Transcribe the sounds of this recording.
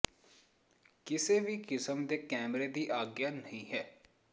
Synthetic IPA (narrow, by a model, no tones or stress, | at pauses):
kɪseːʋiːkɪsəmd̪eːkɛːmɾeːd̪iːʔaːɡjaːnəɦĩːɦɛː